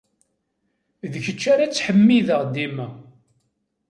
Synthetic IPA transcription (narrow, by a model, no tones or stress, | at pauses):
ðəçət͡ʃːaɾat͡sːħəmːiðəʁd̪imæ